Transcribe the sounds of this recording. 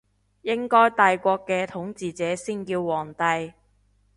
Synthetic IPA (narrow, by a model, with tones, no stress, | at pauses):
jɪ˥ŋkɔː˥jt̪aː˨jkʷɔː˧kːɛː˧t̪ʰʊ˨˥ŋt͡siː˨t͡sɛː˨˥siː˥nkiː˧wːɔː˨˩ŋt̪ɐ˧j